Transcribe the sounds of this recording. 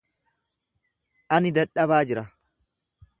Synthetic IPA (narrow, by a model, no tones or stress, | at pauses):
ʔɐnɪd̪ɐᶑɐbaːd͡ʒɪɾɐ